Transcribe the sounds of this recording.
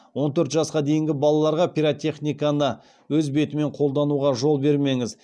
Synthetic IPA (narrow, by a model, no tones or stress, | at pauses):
wo̞nt̪ʰɵɾt̪ʒɑsqɑd̪e̞jɪŋɡʲɪbɑlˠɑlˠɑɾʁɑpʲiɾat̪ʲe̞χnʲijkanə | wɵzbe̞t̪ɪme̞ɴqʰo̞lˠd̪ɑnuʁɑʒo̞lˠbe̞ɾme̞ŋɪz